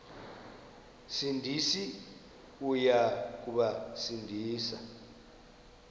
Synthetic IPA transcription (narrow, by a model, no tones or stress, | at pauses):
sindʱisi | ujak̬uɓasindʱiːsa